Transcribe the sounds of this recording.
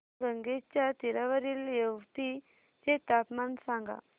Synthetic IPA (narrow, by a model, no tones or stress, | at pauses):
ɾəŋɡet͡ɕjat̪iɾaʋəɾiːljəʋt̪i | d͡ʑet̪apmansãŋɡa̰